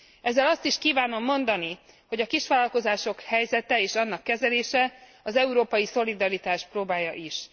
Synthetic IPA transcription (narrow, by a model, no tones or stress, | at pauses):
ɛzːɛlɒst̪iʃkiːvaːno̞mːo̞nd̪ɒni | ho̞ɟɒkiʃʋaːlɒlko̞zaːʃo̞khɛjzɛt̪ɛeːʃɒnːɒkːɛzɛleːʃɛ | ɒzɛuɾoːpɒjiso̞lid̪ɒɾit̪aːʃproːbaːjɒʔiʃ